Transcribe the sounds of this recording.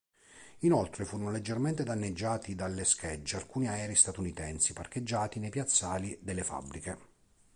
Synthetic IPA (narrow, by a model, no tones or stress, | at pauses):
inolt̪ɾefuːɾonoled͡ʒːerment̪ed̪anːed͡ʒːaːt̪id̪alːeskʰed͡ʒːealkuːniaɛːɾist̪at̪unit̪ɛnsiparked͡ʒːaːt̪inejpjat̪sːaːlid̪elːefa̰bːɾike